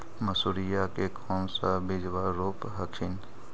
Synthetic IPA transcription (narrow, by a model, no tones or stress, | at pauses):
məsuɾijakekʰɔːmsabɪd͡ʒʋaɾoːpɦəkʃɪn